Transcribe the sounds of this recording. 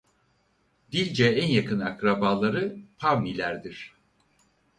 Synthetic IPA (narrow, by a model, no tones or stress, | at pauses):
d̪ilʲd͡ʒɛænjakʰɯnakɾabaːlˠaɾɯpʰavnilʲæɾd̪iɾ̥